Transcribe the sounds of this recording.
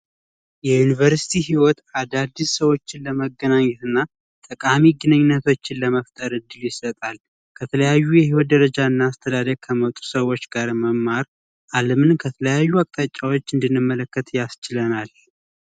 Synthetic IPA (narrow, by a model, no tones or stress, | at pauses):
jɛjunivəɾsi̥t̪ʰiɦiwɔt̪ad̪ad̪ːissəwo̞t͡ʃːɪnləməɡənaɲːɛt̪ɨnːa | t̪ʼəkʼamiɡɨnɨɲːɪnːət̪ʰo̞t͡ʃːɪnləməft̪ʼəɾɨd̪ːɨljɪsət̪ʼal | kʰət̪ʰələjajːujɛɦiwɔt̪̚d̪əɾəd͡ʒaɨnːaːst̪ʰəd̪ad̪əɡ̚kʰəmət̪ʼu̥səwot͡ʃːɡaɾməmːaɾ | ʔaləmɨnkʰət̪ʰələjajːuakʼt̪ʼat͡ʃʼːawo̞t͡ʃːɨnd̪ɨnːɨmːələkːət̪jast͡ʃɪlənal